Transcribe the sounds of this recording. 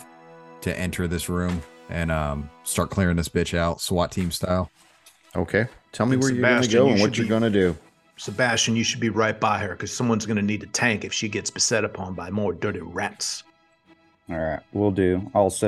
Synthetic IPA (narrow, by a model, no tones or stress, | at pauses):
tʰɨ̰ʔɛ̃ntʰə˞ðɪsɹʉ̃mʔɨ̃nʌ̃mstɑɹt̚kʰl̥ɪɹɪ̃ŋðɪsb̥ɪt͡ʃaʊtswɑtʰĩmstaɪlˠ | o̰ʊkʰeɪtʰɛlˠmiwə˞jəʌnɨɡoʊə̃nwʌt͡ʃə˞ɡʌnɨdʉ | sɨbæst͡ʃɨ̃njɨʃɨd̚biɹaɪt̚b̥aɪə˞kʰʌz̥sʌ̃mwʌ̃nzɡʌnɨnid̚tɨtʰæ̃ŋkɨfʃiɡɛtsb̥ɨsɛɾɨpʰɑ̃nbaɪmɔɹdɜ˞ɾiɹɛts | ɔɹaɪt̚wilˠdʉaɪlˠs